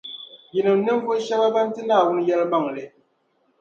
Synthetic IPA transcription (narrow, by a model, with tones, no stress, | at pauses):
ji˨nɨ˨m˨nɨ˦m˦vu˦ʃa˦ba˦ba˦n˦tɨ˦naː˦˨wu˦n˦jɛ˦lma˦˨ŋlɨ˨